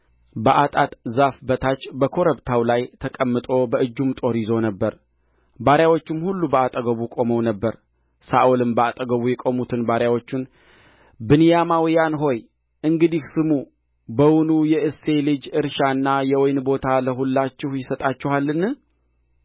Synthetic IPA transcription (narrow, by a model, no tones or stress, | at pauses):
bəʔat̪ʼat̪ʼzafbət̪ʰat͡ʃʼːbəkʰo̞ɾəbt̪ʰawlajt̪ʰəkʼəmːɨt̪ʼo̞bəɨd͡ʒːumt̪ʼo̞ɾizo̞nəbːəɾ | baɾjawo̞t͡ʃːɪmhulːubəat̪ʼəɡəβukʼo̞məwnəbːəɾ | saʔulɨmbəat̪ʼəɡəβujɛkʼo̞mut̪ʰɨnbaɾjawo̞t͡ʃːun | bɨnijamawjanɦo̞j | ʔɨŋɡɨd̪ihsɨmu | bəwʊnujɛʔɨse̞lɨd͡ʒɨɾʃanːajɛwɔjnbo̞t̪ʰaləɦulːat͡ʃːɪhjɪsət̪ʼat͡ʃːɛhalːɨnː